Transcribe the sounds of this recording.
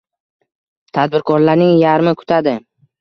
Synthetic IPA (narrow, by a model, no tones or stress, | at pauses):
t̪ʰad̪̚bɪɾkʰɒɾlaɾnɪŋjaɾmɪkʰʊ̥t̪ʰad̪ɪ